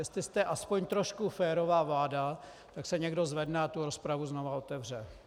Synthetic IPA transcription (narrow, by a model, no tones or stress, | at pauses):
jɛst̪lɪst̪ɛʔaspo̞ɲt̪ɾo̞ʃkufɛːɾo̞vaːvlaːda | t̪aksɛɲɛɡdo̞zvɛdnɛat̪uɾo̞spɾavuzno̞vao̞t̪ɛvr̝ɛ